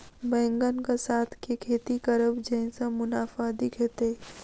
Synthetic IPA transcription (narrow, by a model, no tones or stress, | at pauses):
bɛ̃ːŋɡənkasaːt̪ʰkekʰeːt̪ikəɾəbd͡ʒə̃ɪ̃sãmʊnaːfad̪ɪkʰet̪e